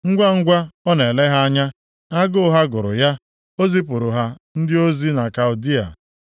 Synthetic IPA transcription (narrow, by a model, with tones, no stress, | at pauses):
ŋ̩˦ɡʷa˦ŋ̩˦ɡʷa˦ɔ˦ne˨le˦ɦa˦a˦ɲa˦ | a˦ɡʊ˦ɦa˦ɡʊ˨ɾʊ̰˨ja˦ | o˦zi˦p̬ʊ˨ɾʊ˨ɦa˦ | n̩˦dɪ˦o˦zi˦na˨ka˨ʊ˨di˦a̰˨